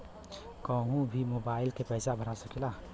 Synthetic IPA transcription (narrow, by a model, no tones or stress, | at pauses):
kəɦũbʱimobaɪlkepəɪsabʱəɾasəkila